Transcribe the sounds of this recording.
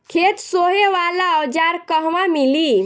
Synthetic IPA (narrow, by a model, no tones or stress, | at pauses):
kʰet̪soɦeʋalaəd͡ʒaɾkəɦʋamili